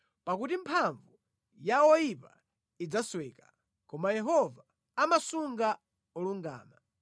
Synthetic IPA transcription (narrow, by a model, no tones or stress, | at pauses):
pakutimpʰaɱvu | jaɔjipa̰ | id͡zaswɛːkḁ | kɔmajɛɦɔvaː | masuŋɡa | ɔluŋɡa̰ːma